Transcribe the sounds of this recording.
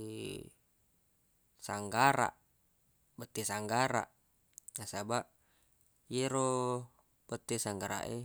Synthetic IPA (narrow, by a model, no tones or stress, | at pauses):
saŋɡaɾa̰ʔ | bət̪isaŋɡaɾa̰ʔ | nasabaʔ | jeɾo | b̥ət̪esaŋɡaɾa̰ʔe